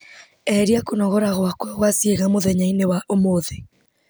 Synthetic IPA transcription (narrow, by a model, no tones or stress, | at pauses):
ɛɾiakonɔɣɔɾaɣwakwaɣwasieɣamoðɛɲainewaʔomoðe